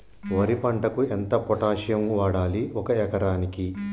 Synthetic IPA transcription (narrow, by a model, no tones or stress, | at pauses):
ʋɐɾipɐɳʈɐkuent̪ɐpɔʈaːʃjɐmʋaːɽaːliɔkɐɛkɐɾaːniki